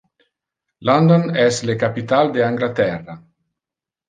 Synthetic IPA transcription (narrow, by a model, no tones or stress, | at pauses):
lɔnd̪onɛslekapit̪ald̪eaŋɡlat̪ɛrːa